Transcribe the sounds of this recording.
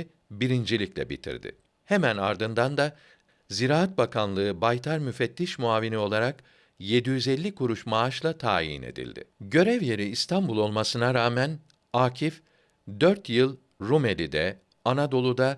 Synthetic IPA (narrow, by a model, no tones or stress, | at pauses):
biɾind͡ʒilʲiclʲɛ̰bḭt̪ʰḭɾd̪ɪ̰ | hemæna̰ɾd̪ɯnd̪and̪a | ziɾaːat̪̚bakʰanlˠɯːbajt̪ʰaɾmyfɛt̪ːiʃmuaːvinio̞lˠaɾak | je̞d̪ijyzɛlʲːikʰuɾuʃmaaʃlˠat̪ʰa̰ːjḭnḛd̪ḭlʲd̪ɪ̰ɟø̞ɾɛvje̞ɾiːst̪ʰambulˠo̞lˠmasɯnaɾaːmɛn | aːcʰif | d̪øɾt̪jɯlˠ | ɾume̞lʲid̪ɛ | anad̪o̞lˠud̪a